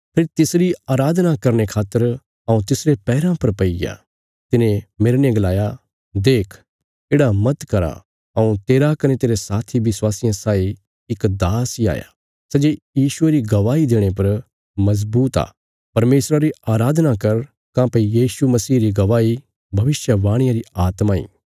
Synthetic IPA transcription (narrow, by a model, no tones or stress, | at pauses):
pʰeːɾt̪ɪsɾiaːɾaːd̪nakɐɾñekʰaːt̪ːəɾ | ɐ̃ũt̪ɪsɾepɛːɾãpɐɾpɐija̰ | t̪ɪnẽmeɾnẽɡɐlaːja | d̪eːkʰ | eːɽamɐt̪kɐɾa̰ | ɐũt̪eːɾakɐnet̪eːɾesaːt̪ʰiʋɪswaːsɪjãsaːi | ɪkd̪aːsia̰ːja̰ | sɛd͡ʒejiːʃʊeɾiɡɐʋaːid̪eːɽ̃ep̬ɐɾ | mɐzbuːt̪a̰ː | pɐɾmeːsɾaɾiaːɾaːd̪nakɐɾ | kãːpɐijiːsumɐsiːɾiɡɐʋaːi | bʱɐʋɪʃjəʋaːɽ̃ɪjãɾiaːt̪maːḭː